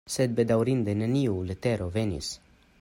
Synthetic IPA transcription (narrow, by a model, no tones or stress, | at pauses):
sɛd̪̚bɛd̪awɾind̪ɛnɛniulət̪ɛɾovɛnḭs